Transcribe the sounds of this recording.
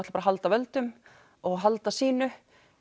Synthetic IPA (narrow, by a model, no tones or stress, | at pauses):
t̪lpaɾaɦalt̪avɛlt̪ʏm | ɔɣɦalt̪asiːnʏ